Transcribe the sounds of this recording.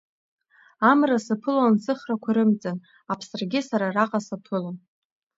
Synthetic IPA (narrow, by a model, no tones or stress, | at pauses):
amrasɨpʰɨlansɨχrakʷʰaɾɨmt͡sʼan | apʰsɨrɡʲɪsaɾaraqʼasapʰɨlan